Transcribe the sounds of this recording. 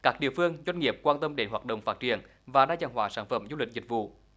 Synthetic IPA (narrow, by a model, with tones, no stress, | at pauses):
kaː˦˥k̚ɗḭ˧˨əfɨ˧əŋzwa˧jŋ̟ŋi˨˩əp̚kwaː˧nt̪ə˧mɗe˨˦nɦwaː˨˩t̚ɗə̰˨wŋ͡mfaː˦˥t̚t͡ɕi˧˩ən | vaː˨˩ɗaː˧t͡ɕaː˧˩ŋɦwaː˧˦saː˧˩nfə˧˩mzu˧lï˨˩k̟̚zï˨˩k̟̚vṵ˧˨